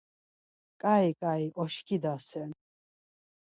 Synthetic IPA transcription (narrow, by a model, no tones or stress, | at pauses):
kʼaikʼaiʔɔʃkʰid̪asɛn